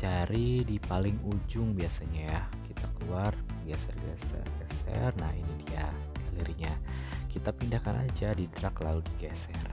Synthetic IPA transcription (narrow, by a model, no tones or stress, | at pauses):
t͡ʃaɾidipalɪŋud͡ʒʊŋbiasaɲajahkit̪akəluarɡɛsɛrɡɛ̰sɛ̰rɡɛsɛ̰rnahɦinit̪ija | ɡaliɾiɲakit̪apindahkanʔa̰d͡ʒadidəɾaklaludiɡɛsɛr